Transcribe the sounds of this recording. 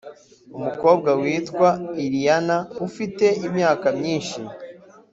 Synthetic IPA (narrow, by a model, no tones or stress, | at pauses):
umuko̞ːb̚ɡawiːtkwaiɾijanaufite̞imɲaːkamɲiːnʃi